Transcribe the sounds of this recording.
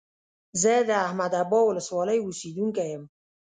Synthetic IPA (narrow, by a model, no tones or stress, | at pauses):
zəd̪əahmad̪abɔwʊləswɑləjusid̪uŋkajəm